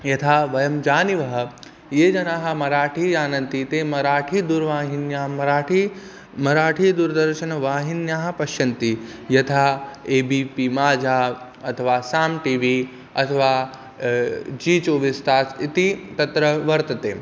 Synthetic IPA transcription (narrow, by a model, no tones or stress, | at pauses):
jɐt̪ʰaːʋɐjɐmd͡ʒaːniʋɐɦɐ̆ | jeːd͡ʒɐnaːɦɐ̆mɐɾaːʈʰiːjaːnɐnt̪it̪eːmɐɾaːʈʰiːd̪uɾʋaːɦinjaːɦmɐɾaːʈʰi | mɐɾaːʈʰiːd̪uɾd̪ɐɾʃɐnɐʋaːɦinjaːɦɐ̆pɐʃjɐnt̪i | jɐt̪ʰaːeːbiːpimaːd͡ʒʱaː | ɐt̪ʰɐʋaːsaːmʈiːʋiː | ɐ̰t̪ʰɐʋaː | d͡ʒiːt͡ʃoːʋist̪aːt͡sit̪it̪ɐt̪ɾɐʋɐɾt̪ɐt̪eː